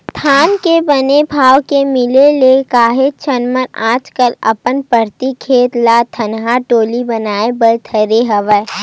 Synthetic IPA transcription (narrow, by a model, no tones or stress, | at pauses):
t̪ʰaːnkebənebʱaːwkemɪlelekaːɦet͡ʃɐnmənaːd͡ʒkəlɐ̰pənpəɾt̪ikʰeːt̪laːt̪ʰənɦaʈoːlibɐnaːebəlt̪ʰəɾeɦɐʋə